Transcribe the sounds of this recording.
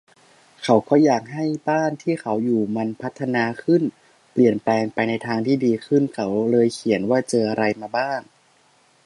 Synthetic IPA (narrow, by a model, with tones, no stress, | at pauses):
kʰa˨˦˥wkʰɔ˧˥˩jaː˨˩k̚ɦa˥˩jbaː˥˩nt̪ʰiː˥˩kʰa˩˦˥wjuː˨˩ma˧npʰa˦˥t̪ʰːa˧naː˧kʰɯ˥˩n | pli˨˩ənplɛː˧ŋpa˧jna˧jt̪ʰaː˧ŋt̪ʰiː˥˩diː˧kʰɯ˥˩nkʰa˩˦˥wlɤː˧jkʰi˩˦ənwaː˥˩t͡ɕɤː˧ʔa˧ɾa˧jmaː˧baː˥˩ŋ